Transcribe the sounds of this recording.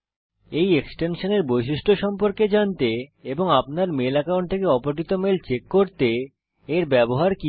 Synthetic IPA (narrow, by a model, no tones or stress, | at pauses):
ejeksʈenʃoneɾbojʃiʃʈʰoʃɔmpoɾked͡ʑant̪eeboŋapnaɾmelɛkawɳʈt̪ʰekeɔpoʈ̬it̪omelt͡ɕekːoɾt̪e | eɾbɛboɦaɾki